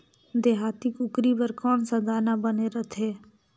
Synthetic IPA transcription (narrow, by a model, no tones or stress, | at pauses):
d̪eːɦaːt̪ikʊkɾibəɾkɔːnsəd̪ʱaːnabəneɾət̪ʰɦeː